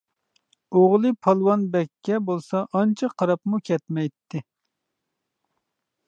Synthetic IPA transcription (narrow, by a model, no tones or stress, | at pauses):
oʁlˠɨpʰɑlˠwɑnbɛkʲʰːɛbolˠsɑʔɑnt͡ʃʰɑqʰɑɾɑpmukʲʰɛt̪mɛjt̪ʰːɪ